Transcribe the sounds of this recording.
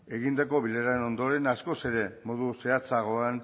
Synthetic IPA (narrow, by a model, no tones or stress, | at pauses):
e̞ɣind̪ako̞βileɾaeno̞nd̪o̞ɾe̞nasko̞se̞ɾe̞mo̞ðuse̞at͡saɣ̞o̞an